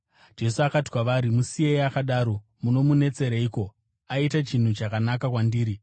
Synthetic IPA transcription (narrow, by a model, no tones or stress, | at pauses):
d͡ʒe̞suakati̥kwaʋaɾimusiejakaɗaːɾo̞ | muno̞mune̞t͡se̞ɾeiːko̞ | aitat͡ʃin̤ut͡ʃakanakakwandiːɾi